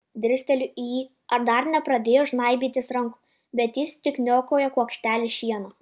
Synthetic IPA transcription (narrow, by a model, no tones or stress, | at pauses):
d̪ʲɾʲɪsʲt̪ʲɛlʲʊijiː | ɐɾd̪ɐɾnʲɛpɾɐd̪ʲeːjoːʒnɐɪbʲiːt̪ʲɪsɾɐŋkʊ̥ | bʲɛt̪jɪst̪ʲɪknʲoːkoːjɛkuɔkʃʲt̪ʲæːlʲɪʃʲiɛno